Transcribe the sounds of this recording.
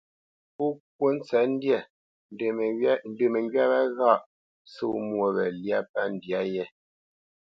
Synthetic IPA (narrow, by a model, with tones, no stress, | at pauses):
pu˦k̚wo˦n̩˦t͡sɛ˨˦n˦djɛ˦˨˦ | n̩˦də˨mɛ˨ŋɡɥa˦bɛ˦ɣa˦˨ʔ | so̰˦mwo˦˨bɛ̰˨lja˦pa˦n˨dja˦jɛ˦